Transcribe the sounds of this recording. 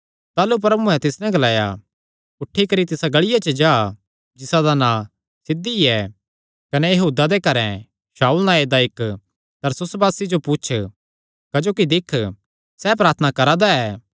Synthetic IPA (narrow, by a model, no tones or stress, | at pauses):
t̪aːlup̬ɾɐbuɛ̃t̪ɪsnɛɡɐlaːja̰ | ʊʈʰːikɐɾit̪ɪsaɡɐɭɪjat͡ʃəd͡ʒaː | d͡ʒɪsad̪anã | sɪd̪iɛ | kɐnɛjɐɦuːd̪ad̪ekɐɾɛ̰̃ | ʃaːulnãeːd̪aɪk | t̪ɐɾsʊsbaːsid͡ʒopʊt͡ʃʰ | kɐd͡ʒoːkid̪ɪkʰ | sɛp̬ɾaːɾt̪ʰənakɐɾad̪aɛː